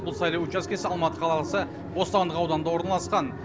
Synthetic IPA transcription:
bʊlˠsɑjlˠɑwʊt͡ʃːɑskʲʰe̞sɪɑlˠmɑt̪əqʰɑlˠɑlˠsə | bo̞st̪ɑnd̪əqɑwd̪ɑnd̪ɑwo̞ɾənɑlˠɑsqɑn

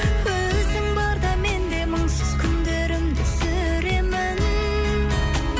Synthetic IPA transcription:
wɵzɪŋbɑɾd̪ɑme̞nd̪e̞məŋsɪz̥kʲʰʏnd̪eɾɪmd̪ɪsʏ | ɾe̞mɪn

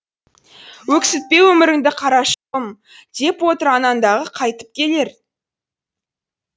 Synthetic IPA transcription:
wɵksɪt̪̚pe̞wɵmɪɾɪŋd̪ɪqʰɑɾɑʃə̥qəm | d̪̥e̞pwo̞t̪əɾɑnɑnd̪ɑʁəqʰɑjt̪ə̥p̚kʲʰe̞le̞ɾ

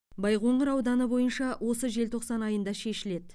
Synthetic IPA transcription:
bɑjqo̞ɴʁəɾɑwd̪ɑnəbo̞jənʃɑwʔo̞səʒe̞lt̪ʰo̞qsɑnɑjənd̪ɑʃe̞ʃɪle̞d̪

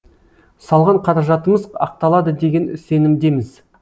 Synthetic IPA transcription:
sɑlˠʁɑɴqʰɑɾɑʒɑt̪əməzɑ̰q̚t̪ɑlˠɑd̪əd̪e̞ɡʲe̞nʏse̞nɪmd̪e̞mɪz

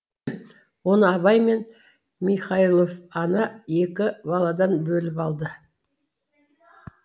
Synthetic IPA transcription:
wo̞nəɑβɑjme̞n | miχɑilˠofɑnɑe̞kʲɪbɑlˠɑd̪ɑnbɵlɪpɑlˠd̪ə

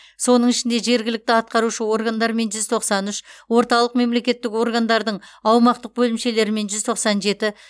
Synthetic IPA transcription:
so̞nəɴɪʃɪnd̪e̞ʒe̞ɾɡʲɪlɪk̚t̪ɪɑt̪̚qɑɾuʃəwo̞rɡand̪ɑɾme̞nʒʏzt̪ʰo̞qsɑnʏʃwo̞ɾt̪ɑlˠəq̚me̞mle̞kʲe̞t̪ːɪko̞rɡand̪ɑɾd̪əɴɑwmɑqt̪əq̚bɵlɪmʃe̞le̞ɾɪme̞nʒʏzt̪ʰo̞qsɑnʒe̞t̪ɪ

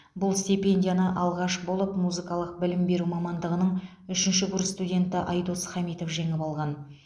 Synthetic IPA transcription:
bʊlˠst̪ʲipe̞nʲdʲijanəʔɑlˠʁɑʃbo̞lˠəpmuzɨkɑlˠəq̚bɪlɪmbe̞ɾumɑmɑnd̪əʁənəɴ | ʏʃɪnʃɪɡʊɾst̪udʲe̞nt̪ɪʔɑjd̪osχɑmijt̪o̞fʒe̞ŋɪpɑlˠʁɑn

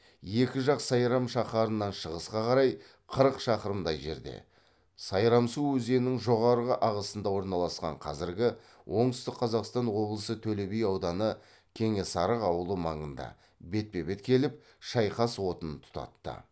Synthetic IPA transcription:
je̞kʲɪʒɑqsɑjɾɑmʃɑχɑɾənːɑnʃəʁəsqɑqʰɑɾɑj | qʰəɾəqʃɑqəɾəmd̪ɑjʒe̞̰ɾd̪e̞̰ | sɑjɾɑmsuɵze̞nɪŋʒo̞ʁɑɾʁəʔɑʁəsənd̪ɑwo̞ɾnɑlˠɑsqɑ̰ɴqʰɑzɪɾɡʲɪ | wʔo̞ɴt̪ʏst̪ɪq̚qʰːɑzɑqst̪ɑnwo̞blˠəsət̪ʰɵlebejɑwd̪ɑnə | kʲʰe̞ŋe̞sɑɾəqɑwəlˠəmɑɴənd̪ɑ̰ | be̞t̪̚pe̞be̞t̪kʲʰe̞lɪp̚ | ʃɑjqɑswo̞t̪ənt̪ʰʊ̥t̪ɑ̰t̪ːə̰

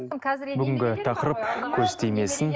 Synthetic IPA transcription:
bʏɡʲɪŋɡʲɪt̪ʰɑqəɾəpkʲʰɵɾst̪e̞jme̞sɪn

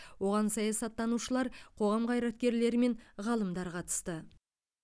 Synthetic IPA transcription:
wo̞ʁɑnsɑjɑsɑt̪ːɑnuʃəlˠɑɾqʰo̞ʁɑmqʰɑjɾɑt̪̚kʲe̞ɾle̞ɾɪme̞ɴʁɑlˠəmd̪ɑɾqʰɑt̪ə̥st̪ə

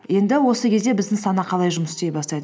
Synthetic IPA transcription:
je̞nd̪ɪwo̞səkʲʰe̞zd̪e̞bɪzd̪ɪŋsɑnɑqʰɑlˠɑjʒʊməsɪst̪e̞jbɑst̪ɑjd̪

